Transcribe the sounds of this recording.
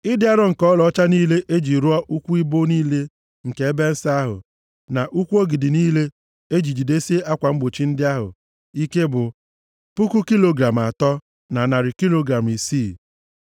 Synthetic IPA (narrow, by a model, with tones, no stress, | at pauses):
ɪ˦dɪ˦a˦ɾɔ˦ŋ̩˨kɔ˦lɔ˨ɔ˦t͡ʃa˦niː˦le˦ʔe˦d͡ʒi˨ɾu˦ɔ˦ʔu˦kʷu˦i˦bo˦niː˦le˦ | ŋ̩˨ke˨e˦be˦n̩˦sa˦a˦ɦʊ̰˨ | na˨ʔu˦kʷu˦o˦ɡi˨dɪ˨niː˦le˦ | e˦d͡ʒi˨d͡ʒi˨de˦si˦e˦ʔa˦kʷa˨m̩˦ɡ͡bo˨t͡ʃi˦n̩˦dɪ˦a˦ɦʊ̰˨ | i˦ke˦bʊ˨ | pu˦ku˦ki˦lo˨ɡɾa˨m˨a˨tɔ˦ | na˨na˨ɾɪ˨ki˦lo˦ɡɾa˨m˨i˨siː˦˨